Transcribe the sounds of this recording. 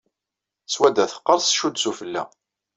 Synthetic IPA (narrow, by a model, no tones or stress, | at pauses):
swæd̪æθə̥qːəɾˤsʃud̪sufəlːæ̰